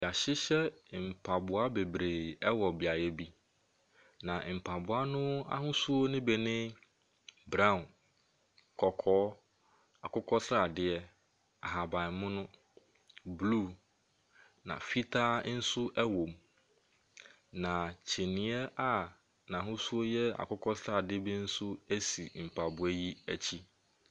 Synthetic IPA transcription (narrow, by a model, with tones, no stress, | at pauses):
a˨ɕɪ˦ɕɛ˦m̩˨pʰa˨bʊ˨a˦be˨bɾe˨ɛ˦wɔ˨bi˨a˨jɛ˦bi˦ | nã˨m̩˨pʰa˨bʊ˨˦a˦nʊ̃˦a̰˦ɦʊ̃˦su˦o˦nɪ̃˦bɛ˨nɪ̃˦ | bɾã˦˨n | kʰɔ˨kʰɔː˦ | a˨kʊ˦kʰɔ˦sɾa˦a˨dɪ˦ɛ˦ | a˨ɦa˨ba˨ɪ˨mʊ̃˦nʊ̃˦ | blu˦˨ | nã̰˨fi˦tʰaː˦n̩˦sʊ˦ʔɛ˦wõ˨m | nã˨t͡ɕʰe˨nĩ˨˦ɛ˦a˦ | nã˨ɦʊ̃˦su˦o˦jɛ˦a̰˨kʰʊ˦kʰɔ˦sɾa˦˨dɪ˦bi˦n̩˦sʊ˦æ˦sḭ˨m̩˨pʰa˨bʊ˨æ˦ji˦æ˨t͡ɕʰi˦